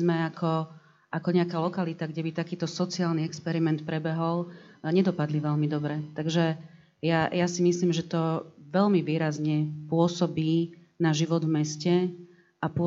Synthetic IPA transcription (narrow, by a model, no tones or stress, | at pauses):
zmɛakʰɔ | ʔakɔɲɛakaːlɔkalit̪aɡɟɛbit̪akiːt̪ɔsɔt͡siaːlniɛkspɛɾimɛnt̪̚pɾɛbɛɦɔlɲɛd̪ɔpad̪liʋɛʎmid̪ɔbɾɛt̪aɡʒɛ | jajasimisliːmʒɛt̪ɔʋɛʎmiʋiːɾazɲɛpʊɔsɔbiː | naʒiʋɔd̪vmɛscɛ | ʔapʊ